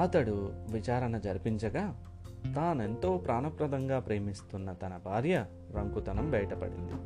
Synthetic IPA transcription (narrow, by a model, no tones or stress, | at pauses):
ɐt̪ɐɽuʋit͡ʃaːɾɐnɐd͡ʒɐɾipiɲt͡ʃɐɡaː | t̪aːne̞nt̪o̞ːpɾʔaːnɐpɾɐd̪ɐŋɡaːpɾe̞ːmist̪unːɐt̪ɐnɐbʱaːɾjɐ | ɾɐŋkut̪ɐnɐmbɐjɐʈɐpɐ̰ɽḭnd̪i